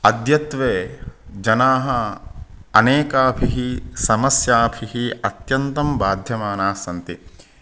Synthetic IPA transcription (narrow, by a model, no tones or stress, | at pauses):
ɐd̪jɐt̪ʋeːd͡ʒɐnaːɦɐ | ɐneːkaːpʰiɦisɐmɐsjaːpʰiɦiɐt̪jɐnt̪ɐmbaːd̪ʱjɐmaːnaːsɐnt̪i